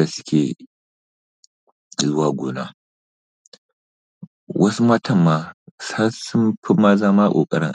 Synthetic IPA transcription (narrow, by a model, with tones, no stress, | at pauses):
a˨sʊ̥˦kʲʰeː˨ | zʊ˦waː˨ɡʷoː˨na̰ː˦ | wʔɐ˦su˦mɐ˦tʰɐ˦˨mːaː˦sa˦sʊ˦mpʰɪ˦mːaː˦zaː˦maː˦kʷʼo̰ː˨kʼɐ̰˦ɾɪ̰˦ŋ